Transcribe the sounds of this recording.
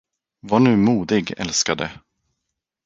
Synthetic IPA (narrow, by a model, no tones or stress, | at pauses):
vaɳʉ̟ːmuːd̪ɪɡɛ̰lskad̪ə̰